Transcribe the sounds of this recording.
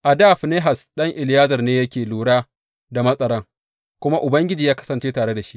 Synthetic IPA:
ʔa˨daː˦˨ɸne˦ɦa˨sɗɐ˦ŋʔɪ˨lɪ˨jaː˦zɐ˨rneː˦jɐ˦kʲeː˨luː˨ɽaː˦ | da˨mɐ˦sʼɐ˦ɾɐ˦ŋ | kʷʊ˦ma˦ʔʊ˨bɐ˦ŋɡʲɪ˦d͡ʒiː˨jaː˦kɐ̥˦sɐ˨nt͡ʃeː˦taː˨ɽe˦da˨ʃi̥˦

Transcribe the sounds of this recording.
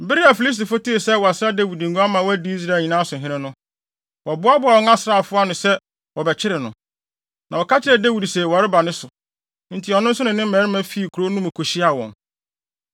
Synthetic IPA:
m̩˨bɪ˦ɾi˦a˨fi˨li˦s̬ti˨fo˦ti˦e˨sɛ˦wɔ˨a˨sɾa˦da˦wi˨di˨ŋ̩˨ɡũ˦a˦mã˨wɔ˦æ˦di˦i˦s̬ɾaː˦˨ɲĩ˨nã˦sʊ˨ɦɪ̃˦ɪ̃˦nʊ̃˦ | wɔ˨bʊ˦a˦bʊ˦a˨wɔ̃˦ŋa˦sɾa˨fʊ˦a˦nʊ̃˨sɛ˦ | wɔ˨bɛ˨t͡ɕʰɪ˦ɾɪ˨nʊ̃˨ | nʔã˨wɔ˨kʰa˦t͡ɕʰɪ˦ɾɛ˨da˦wi˨dsɛ˨wa˨ɾɪ˦ba˨nʊ̃˦sʊ˨ | n̩˨tʰɪ˨ɔ˨nʊ̃˦n̩˦sʊ˦nɪ̃˨nɪ̃˦m̩˦mɛ̃˨ɾɪ˦mã˦fi˦i˨kʰu˨ɾo˦nũ˦mã˨kʰo˨ɕi˦a˨wɔ̰̃˨n

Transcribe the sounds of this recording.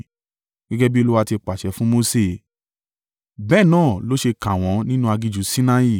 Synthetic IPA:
ɡ̥ɛ˦ɡɛ˦bi˦˧lu˦wa˧ti˧k͡pa˨ʃɛ˨˦fũ˦mo˧se˦˧˨ | bɛː˦˨nãː˦˨lo˦ʃe˧kã˨w̃ɔ̃˨˦nĩ˦nũ˦a˧ɡi˧d͡ʒu˨˦sĩ˦na˧i˦˨

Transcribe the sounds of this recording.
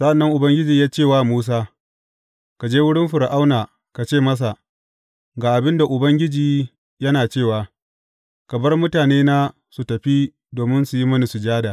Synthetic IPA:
sa˦ʔa˨nːɐ˦ŋʔʊ˨bɐ˦ŋɡʲɪ˦d͡ʒiː˨jaː˦t͡ʃeː˦˨waː˦˨muː˦s̬aː˦ | ka˨d͡ʒeː˦wʊ˦ɽɪ˦mɸʊ˨ɾʔa˦wnaː˨ | ka˨t͡ʃeː˦˨mɐ˦s̬a˨ | ɡaː˨ʔa˨bɪ˦nda˨ʔʊ˨bɐ˦ŋɡʲɪ˦d͡ʒiː˨ | jɐ˦naː˨t͡ʃeː˦˨waː˨ | kɐ˨bɐ˦rmʊ˦taː˨neː˦naː˦ | su˨tɐ˨ɸi˦ | doː˨mɪ˦nsu˨ji˦mɐ˦ni˨su˨d͡ʒaː˦da˨

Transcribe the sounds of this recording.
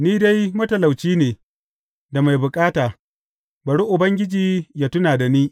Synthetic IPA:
niː˦da˦jmɐ˦tɐ˨la˨wt͡ʃiː˦neː˨ | da˨ma˨jbʊ˨kʼaː˦taː˨ | bɐ˨ɽi˦ʔʊ˨bɐ˦ŋɡʲɪ˦d͡ʒiː˦jaː˦tʊ˦naː˨da˨niː˦

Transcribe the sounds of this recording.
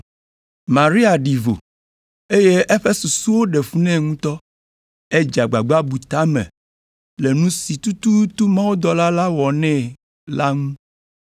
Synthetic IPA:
mã˨ɾi˦a˨ɖi˨vo̰˨ | e˦je˦ʔe˦ɸe˦so˨su˦wo˦ɖe˨fu˦nɛ̃˦ŋũ˦t̪ɔ˦ | e˦d͡ʒa˨ɡ͡ba˨ɡ͡ba˦bu˨t̪a˦mɛ̰̃˨ | le˨nũ˦si˨t̪u˦t̪u˦t̪u˦mã˦wo˦d̪ɔ˦la˦la˦wɔ˨nɛ̃˦ | la˦ŋũ˦

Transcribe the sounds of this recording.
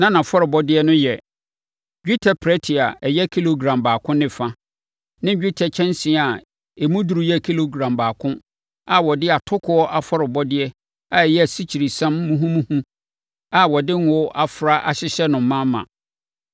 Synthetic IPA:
nã˦nã˨fɔ˦ɾɪ˨bɔ˦dɪ˦ɛ˦nʊ̃˦jɛ˨ | d͡ʑᶣu˦tʰɛ˨pʰɾɛ˦tʰi˨a˨ɛ˨jɛ˦kʰi˦lo˨ɡɾã˨mbaː˨kʰʊ̃˦nɪ̃˦fã˦ | nɪ̃˦d͡ʑᶣi˦tʰɛ˨t͡ɕʰɛ̃˦nsĩ˨a˨ | e˨mũ˦du˨ɾu˨jɛ˦˨kʰi˦lo˨ɡɾã˨mbaː˨kʰʊ̃˦ | a˨wɔ˨dɪ˦a˨tʰʊ˦kʰʊ˨ɔ˦ʔa˨fɔ˦ɾɪ˨bɔ˦dɪ˦ɛ˦ | a˨ɛ˨jɛ˦æ˨si˦t͡ɕʰi˨ɾi˨sã˦mːũ˦ɦũ˦mũ˦hũ˦ | a˨wɔ˨dɪ̃˦n˦ɔ˦ʔa˦fɾa˦ʔa˨ɕɪ˦ɕɛ˦nʊ̃˨m̩˦mːã˦mːã̰˨

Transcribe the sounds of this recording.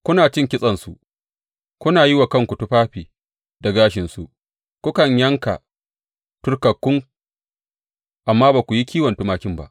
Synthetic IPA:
kʷʊ˦naː˨t͡ʃɪ˦˨ŋkʲɪ˦sʼɐ˨nsu˨ | kʷʊ˦naː˨ji˦wa˨kɐ˦˨ŋkʷu˨tu˦ɸaː˦ɸiː˨ | da˨ɡaː˦ʃɪ˨nsu˦˨ʔ | kʷʊ˦kɐ˨ɲjɐ˦ŋka̰˨ | tʊ˦rkɐ˨kːʊ˦ŋ | ʔa˨mːaː˦baː˨kʷu˨ji˦kʲiː˦wɐ˨ntʊ˦maː˨kʲɪ˦mba̰˦ʔ

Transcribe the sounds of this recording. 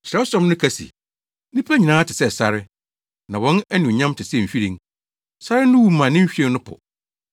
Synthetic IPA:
ɕɾɛ˨˦sɔ̃˦mnʊ̃˦kʰæ˦sḭ˨ | nĩ˦pʰæ˦ɲĩ˨nãː˦tʰɪ˨sɛ˦sa˦ɾɪ˦ | nã˨wɔ̃˦nɛ˦nũ˨ɲã˦mtʰɪ˨sɛ˦˨m̩˨fi˦ɾĩ˨ŋ | sa˦ɾɪ˦nʊ̃˦wu˨˦mã˨nɪ̃˦m̩˦ɕᶣi˦ɛ˦nʊ̃˦pʰʊ̰˨

